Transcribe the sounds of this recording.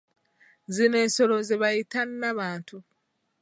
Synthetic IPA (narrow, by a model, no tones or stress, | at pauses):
zine̞ːnso̞lo̞zeβajitanːaβaːntu